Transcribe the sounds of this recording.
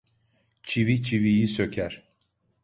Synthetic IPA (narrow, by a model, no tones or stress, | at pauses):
t͡ʃʰivit͡ʃʰivijisø̞cʰæɾ̥